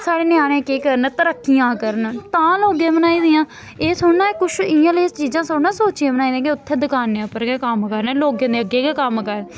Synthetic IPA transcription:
saːɽeːnɪjaːɾẽːkeːkəɾənt̪əɾəkːijãːkəɾənt̪ãːloːɡẽːbənaːiːd̪ɪãː | eːsʊnaːkʊʃʰɪãːlest͡ʃiːzãːsoːɽnaːsoːt͡ʃiẽːbənaːiːd̪ĩãːkɪʊt̪ʰːeːd̪ɪkaːnːeãpəɾɡeːkəmkəɾnloːɡẽːd̪eːəɡeːkeːkəmkəɾn

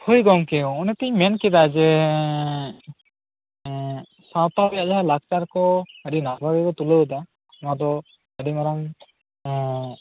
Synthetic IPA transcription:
hujɡɔŋkɛɔ̃ːnɛt̪iɲmɛnkid̪ad͡ʒɛ | sap̪abijaʔd͡ʒaɦalak̚t͡ʃaɾkɔəɖinabʱabikɔt̪uləəd̪a | ad̪ɔ | ədimaɾaŋ

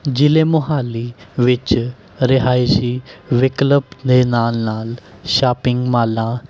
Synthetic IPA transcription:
d͡ʒɪlemʊɦaːliʋɪt͡ʃ | ɾɪɦaːisiːʋɪkləb̚d̪enaːlnaːlʃaːpɪ̃ŋɡmaːlãː

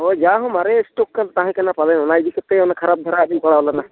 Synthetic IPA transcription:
ɔd͡ʒaɦɔ̃maɾesʈokːant̪aɦɛ̃kanapalanɔnaid̪ikʰɛt̪eɔnakʰaɾab̚d̪ʱɔɾaɗipɔɽaɔlana

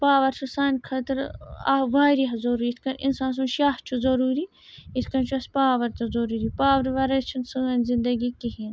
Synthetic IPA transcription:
paːʋɐɾt͡ʃʰusaːnʲkʰɐt̪ɾɐ̰ʋaːɾiɐɐzɐɾuːɾiit̪ʰkɐnʔinsaːns̬unʃaːht͡ʃʰuzɐɾuːɾi | it̪ʰkɐnt͡ʃʰuɐsʲpaːʋɐɾt̪ɐzɐɾuːɾipaːʋɐɾʋɐɾɐt͡ʃʰinsɨɐnʲzind̪ɐɡikiɦin

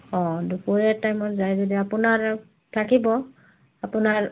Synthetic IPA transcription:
ɔ̃dupuɹɛtajmɔtzajzodiapʊnaɹ | tʰakibɔ | apʊnaɹ

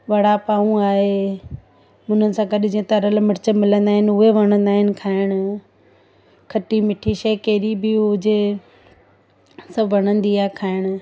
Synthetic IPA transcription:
ʋɐɽ̤apaːũaːɦe | mʊ̃n̤ənɪ̆sãɡɐɗɪd͡ʑiẽt̪ɐɾəlmɪɾɪt͡ɕəmɪlə̃nd̪aːɦɪnʊɦeʋɐɽ̃ə̃nd̪aːɦɪnɪ̆kʰaːɪɽ̃̆ | kʰɐʈimɪʈʰiʃɐikeːɾibɪʊd͡ʑe | sɐbʱʋɐɽ̃ə̃nd̪iaːekʰaːɪɽ̃

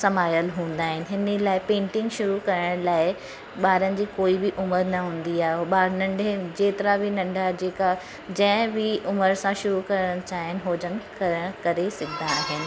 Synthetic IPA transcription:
sɐmaːjəlɦũːn̆d̪aːɦɪnɪ̆ɦɪnəlaːɪpẽːɳʈɪ̃ŋɡʃʊɾukɐɾəɽ̃laːɪ | ɓaːɾənɪ̆d͡ʑiːkoːibɪʔʊməɾnɐɦũːnd̪iaːɦeoaːɾnɐ̃ɳɖʱed͡ʑeːt̪ɪɾabɪnɐ̃ɳɖʱad͡ʑeːka | d͡ʑɐ̃ɦɪ̃bɪʔʊməɾsãʃʊɾukɐɾəɽ̃t͡ɕaːɦɪnɪɦoːd͡ʑənkəɽ̃kɐɾesɐɡʰʱɪd̪aaːɦɪnɪ̆

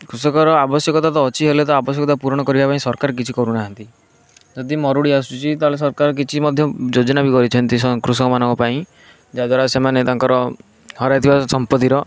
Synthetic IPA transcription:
kɾusɔkɔɾɔabɔsjɔkɔt̪at̪ɔːt͡ʃʰiɦelet̪ɔabɔsjɔkɔt̪apuɾɔɽ̃ɔkɔɾibapaĩsɔɾkaɾɔk̬it͡ʃʰikɔɾunaɦant̪i | d͡ʒɔd̪imɔɾuɽiasut͡ʃʰit̪aɦles̬ɔɾkaɾɔk̬it͡ʃʰimɔd̪ʱjɔd͡ʒod͡ʒɔnabikɔɾit͡ʃʰɔnt̪isɔkɾusɔkɔmanɔ̃ŋkɔpaĩ | d͡ʒad̪waɾasemanet̪aŋkɔɾɔ | hɔɾajt̪ʰibasɔmpɔt̪iɾɔ

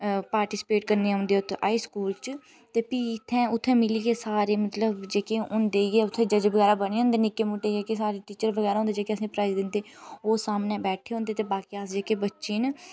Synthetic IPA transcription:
paːɾʈiːsɪ̥peːʈkəɾneːaɦʊ̃ːnd̪eːʊt̪ʰa̰ːiːskuːlt͡ʃ | t̪eːpiːɪt̪ʰːɛ̃ːʊt̪ʰːɛ̃ːmɪliːɡeːsaːɾeːmət̪ləbd͡ʒeːkeːʊnd̪eːɡeːʊt̪ʰːẽːd͡ʒəd͡ʒbəɡɛːɾaːbəɽ̃iːɦʊ̃ːnd̪eːnɪkːeːmuːʈːeːd͡ʒeːkesaːɾeːʈiːt͡ʃəɾʋəɡɛːɾaɦʊ̃ːnd̪eːd͡ʒeːkeəsĩːpɾaːjzd̪ɪnd̪eːoːsaːmnẽːbɛːʈʰeːɦõːnd̪eːt̪eːbaːkiːaːsd͡ʒeːkeːbətːʃiːn

